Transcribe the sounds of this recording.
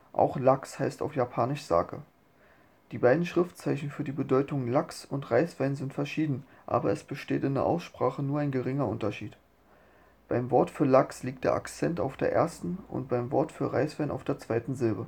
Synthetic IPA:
ʔa̰ʊxlakshaɪsta̰ʊfjapʰaːnɪʃz̥a̰ːkə̰ | d̥iːbaɪdn̩ʃʁ̥ɪftt͡saɪçn̩fyːɐdiːbədɔʏtʊŋlaksʊntʁaɪsv̥aɪnzɪntfɛɐʃiːdn̩ | ʔa̰ːbɐɛsb̥əʃteːtɪndeɛɐʔa̰ʊsʃpʁ̥aːχənuːɐʔaɪnɡəʁɪŋɐʔʊntɐʃiːt | b̥aɪmvɔɐtfyːɐlaksliːk̚td̥eːɐʔa̰kt͡sɛnta̰ʊfd̥ḛːɐʔḛːɐstn̩ʔʊ̰ntb̥aɪmvɔɐtfyːɐʁa̰ɪsv̥aɪnʔa̰ʊfd̥eːɐt͡sv̥aɪtn̩zɪlbə

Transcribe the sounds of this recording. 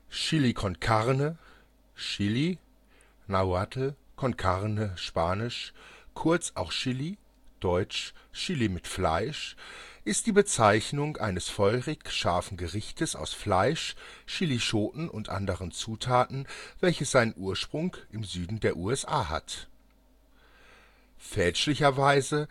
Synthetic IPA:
ʃɪlikʰɔnkʰaʁnə | ʃɪli | naʊatʰl̩kʰɔnkʰaʁnəʃpaːnɪʃkʰʊɐt͡sa̰ʊxʃɪli | d̥ɔʏt͡ʃʃɪlimɪtfla̰ɪʃʔɪst̚d̥iːbət͡saɪçnʊŋʔa̰ɪnəsfɔʏʁɪkʃaɐfn̩ɡəʁɪçtʰəsa̰ʊsflaɪʃʃɪliʃoːtn̩ʔʊntʔa̰ndəʁənt͡suːtʰaːtn̩v̥ɛlçəsz̥aɪnənʔuːɐʃpʁ̥ʊŋʔɪmzyːdn̩deːɐʔuːɛsʔaːɦa̰t | fɛlt͡ʃlɪçɐvaɪzə

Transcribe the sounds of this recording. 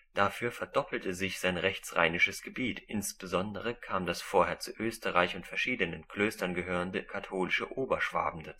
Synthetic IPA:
d̥afyːɐfɛɐdɔpl̩təzɪçz̥aɪnʁɛçt͡sʁa̰ɪnɪʃəsɡ̥əbiːtʰʔɪnsb̥əzɔndəʁəkʰaːmdasfoːɐɦeːɐt͡suʔøːstəʁaɪçʊntfɛɐʃiːdənənkl̥øːstɐnɡəɦøːʁəndəkʰatʰoːlɪʃəʔoːbɐʃv̥a̰ːbm̩də

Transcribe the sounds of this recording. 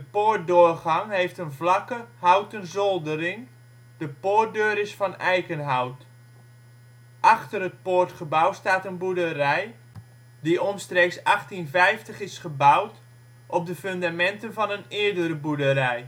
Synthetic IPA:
dəpoːrt̚dʊːrχɑŋɦejftənvlɑkəhawtənzɔlˠdərɪŋ | dəpoːt̚døːɾɪsfɔnɛjkənɦawt | ʔɑχtərət̚poːrtχəbawstaːtənbudərɛj | diʔɔnstreksɑχtinvɛjftəχɪsχəbawt | ʔɔp̚dəføndamɛntənvɔnənɪəɹdəɾəbudərɛj

